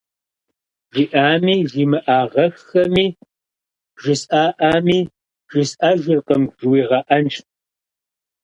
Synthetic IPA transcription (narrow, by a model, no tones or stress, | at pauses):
ʒiʔaːmiːʒiːmɨʔaːʁɐxɐmiː | bʒɪsʼaːʔaːmiː | ʒɪsaʒɪrqəmʒwiːʁɐʔɐnʃt̚